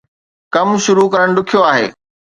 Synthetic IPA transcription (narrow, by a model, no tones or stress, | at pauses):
kɐmʃʊɾukɐɾəɽ̃ɖʊkʰijoaːɦḛː